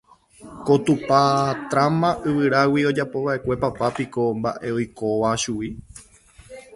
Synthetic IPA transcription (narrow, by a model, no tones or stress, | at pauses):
ko̞t̪upat̪ɾãmãʔɨʋɨɾawio̞d͡ʒapo̞βaʔe̞kʷe̞papapiko̞mba̰ʔe̞ojko̞ʋaʃui